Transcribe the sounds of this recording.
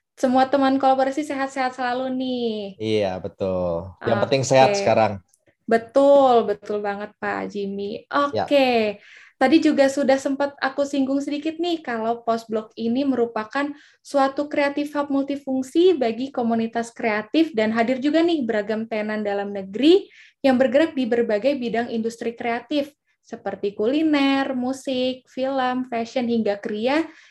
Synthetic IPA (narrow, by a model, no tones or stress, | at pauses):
səmuat̪əmankolaboɾasiseɦat̪̚seɦat̪̚səlalunɪhija̰bət̪ʊlʔjapənɪŋseɦatsəkaɾaŋ | bət̪ʊlbət̪ʊlbaŋət̪̚pa̰d͡ʒimiʔojke | t̪adid͡ʒuɡasudahsəmpat̪̚akusiŋɡʊŋsədikɪt̪̚nɪhkalawpɔs̚blɔk̚iniməɾupakan | suat̪ukɾeat̪ɪfhɔp̚mult̪ifuŋsibaɡikomunit̪askɾeat̪ɪfdanɦadɪrd͡ʒuɡanɪhbəɾaɡamt̪anandalamnəɡɾi | jaŋbərɡəɾak̚dibərbaɡajbidaŋindust̪ɾikɾeat̪ɪf | səpərt̪ikulinɛrmusɪk̚filəmfɛʃənɦiŋɡakəɾia